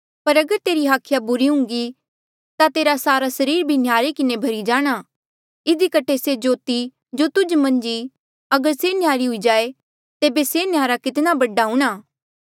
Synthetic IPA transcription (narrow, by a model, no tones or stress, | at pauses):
pɐɾɐɡəɾt̪eːɾiɦaːkʰjabʊɾiɦʊ̃ŋɡi | t̪at̪eːɾasaːɾasɐɾiːɾbʱinjaːɾekɪnebʱɐɾid͡ʒaːɽ̃aː | ɪd̪ikəʈʰesed͡ʒoːt̪i | d͡ʒot̪ʊd͡ʒmɐ̃nd͡ʒi | ɐɡəɾsenjaːɾiɦʊid͡ʒaːe | t̪eːbesenɪjaːɾakɪt̪nabɐɖaɦʊ̃ːɽ̃aː